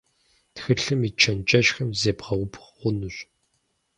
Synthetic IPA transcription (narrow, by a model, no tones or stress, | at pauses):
txɨɬɨmit͡ʃʰɐnt͡ʃʼɐʃxɐmzeːpʁɐwʊpʰʁʷʊnɨɕʷ